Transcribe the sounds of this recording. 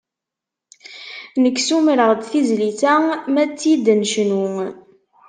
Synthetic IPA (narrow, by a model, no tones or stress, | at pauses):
nəkːsumɾəʁd̪θizliθæmæt͡sːjid̪nʃnu